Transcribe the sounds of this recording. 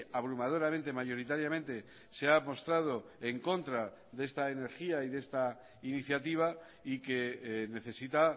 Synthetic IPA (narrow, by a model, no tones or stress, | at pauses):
aβ̞ɾumað̞o̞ɾament̪e̞maʝo̞ɾit̪aɾjamẽ̞nt̪e̞ | seamo̞st̪ɾað̞o̞ | e̞ŋko̞nt̪ɾa | ðest̪ae̞ne̞ɾxiaiðe̞st̪a | iniθjat̪iβ̞a | ike̞ne̞θe̞sit̪a